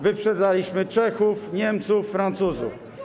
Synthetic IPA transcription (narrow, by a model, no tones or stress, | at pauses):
vɘpʂɛd̪zalʲiɕmɘt͡ʂɛxufɲɛmt̪sufːɾant̪suzṵf